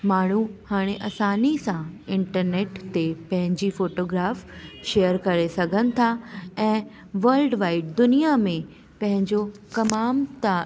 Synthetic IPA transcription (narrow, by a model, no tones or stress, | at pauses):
maːɳ̤̃uhaːɽ̃eʔɐsaːnisãɪ̃ɳʈəɾneːʈt̪epɐ̃ɦɪ̃ɲd͡ʑifoːʈoːɡɾaːfʃejəɾkɐɾesɐɡʱənɪ̆t̪ʰaɛ̃ː | ʋəlɖʋaːɪʈ̚d̪ʊnijamẽ | pɐ̃ɦɪ̃ɲd͡ʑokɐmaːmt̪a